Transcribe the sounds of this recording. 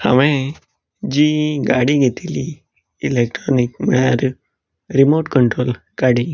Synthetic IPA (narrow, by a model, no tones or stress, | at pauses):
ha̰mẽ | d͡ʑiːɡaɽiɡʱet̪iliː | lek̚ʈɾɔnikmiɭjaɾ | ɾimoʈkəɳʈɾoːl | ɡaɽi